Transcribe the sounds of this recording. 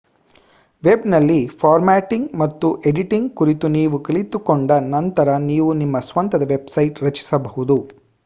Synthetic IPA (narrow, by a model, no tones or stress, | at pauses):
ʋebnɐlːipʰaːɾmaːʈiŋɡmɐt̪ːuʔe̞ɖiʈiŋɡkuɾit̪uniːʋukɐɭit̪ukoɳɖɐnɐnt̪ɐɾɐniːʋunimːɐsʋɐnt̪ɐd̪ɐʋebsɐjʈɾɐt͡ʃi̥sɐbɐɦud̪u